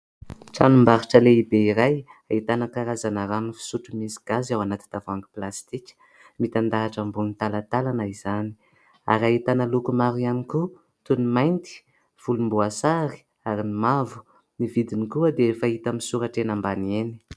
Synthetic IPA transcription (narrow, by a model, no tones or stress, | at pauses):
ʈ͡ʂanumbaɾiʈ͡ʂəleibeiɾajait̪anəkaɾazanəɾanifi̥suʈ͡ʂumisi̥ɡ̥azawanat̪i̥t̪avaŋɡu̥plast̪ikʲə̥ | mit̪and̪aːʈ͡ʂambunit̪alat̪alanaiz̥ani̥ | a̰ɾait̪anəlukumaɾuamiku | t̪unimajnt̪i̥ | v̥ulumbuasaɾi̥ | aɾinimavu̥ | nivid̪inikuəd̪eefait̪amisuɾaʈ͡ʂenambanieni̥